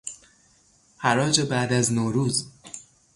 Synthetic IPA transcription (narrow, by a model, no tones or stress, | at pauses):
hæɾɒːd͡ʒebæʔd̪æznoːɾuːz